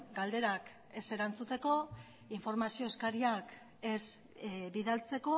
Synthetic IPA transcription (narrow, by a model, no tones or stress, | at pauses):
ɡald̪e̞ɾak | e̞se̞ɾant͡sut̪e̞ko̞ | iɱfo̞ɾmasio̞eskaɾiak | es | biðalt͡se̞ko̞